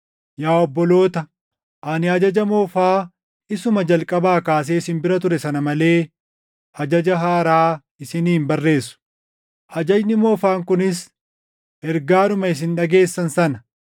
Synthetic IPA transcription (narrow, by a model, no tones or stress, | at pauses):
jaːɔbːɔlo̞ːt̪ɐ | ʔaːnɪhɐd͡ʒɐd͡ʒɐmo̞ːfaː | ɪsʊmɐd͡ʒɐlkʼɐbaːkaːs̬eːɪsɪmbɪɾɐt̪̬ʊɾɛsɐnɐmɐle̞ː | hɐd͡ʒɐd͡ʒɐɦaːɾaː | ɪsɪniːmbɐrːe̞ːsːʊ̥ | hɐd͡ʒɐd͡ʒnɪmo̞ːfaːŋkʊnɪs | ɛɾɡaːnʊmɐɪs̬ɪnᶑɐɡe̞ːsːɐnsɐnɐ